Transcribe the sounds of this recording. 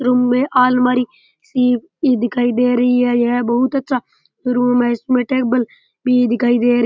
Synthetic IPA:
ɾʊmːẽʔaːlmaːɾi | siːp | id̪ɪkʰaːid̪eːɾəɦiɦɛːjeɦɛbɐɦʊt̪ɐtːʃʰa | d͡ʒʊɾũmɛːsumẽːʈeːk̚bəl | bʱid̪ɪkaːid̪eːɾ

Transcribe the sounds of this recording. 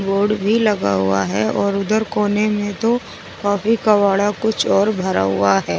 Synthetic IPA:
boːɾɖbʱilɐɡa̰ɦʊ̰a̰ɦɛɔːɾʊd̪əɾkoːnemẽt̪o | kaːfikɐʋaːɽakʊt͡ʃʰɔːɾbʱɐɾa̰ɦʊ̰aɦɛː

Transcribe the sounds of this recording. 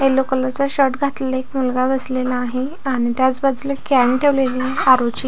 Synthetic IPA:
elokələt͡saɕəʈɡʱat̪llaekmulɡaʋəslelaaɦe | aɽ̃it̪jat͡sbad͡zləkaɳʈʰeʋleliaɾot͡ɕi

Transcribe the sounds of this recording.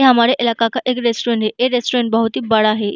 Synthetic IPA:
ɦamaɽeʔelakakaʔekɾesʈuɾeɳʈɦeʔeɾesʈuɾeɳʈbəɦut̪iːbəɭaɦe

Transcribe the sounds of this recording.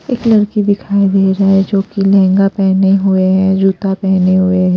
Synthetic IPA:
eːklɐɽkid̪ɪkʰaːid̪eːɾaɛd͡ʒoːkilɛ̃ːŋɡapɛːneɦʊeɦɛ̃d͡ʒuːt̪apɛːneɦʊeɦɛ̃ː

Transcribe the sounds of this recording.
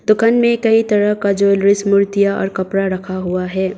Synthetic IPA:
d̪ʊkaːnmẽkɐit̪ɐɾəɦkad͡ʒoːlɾɪsmʊɾt̪ijaɔ̰ːɾkɐpɾaɾɐkʰaɦʊaɦɛː

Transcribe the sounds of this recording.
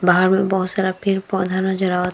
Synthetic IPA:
baɦaɾmebɔɦosaɾapʰiɾpɔd̪ʱanɔd͡ʑɔɾawat̪

